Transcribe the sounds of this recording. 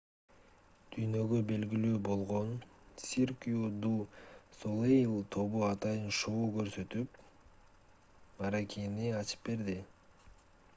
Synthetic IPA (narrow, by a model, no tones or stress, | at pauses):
d̪̥yjnø̞ɡø̞be̞lɡilyːbo̞lˠʁo̞nsʲirkʲjud̪usolˠejlˠt̪ʰo̞βuɑt̪ɑjɯnʃoːkø̞ɾsø̞t̪yp | mɑɾakiniɑt͡ʃɯ̥p̚be̞ɾd̪i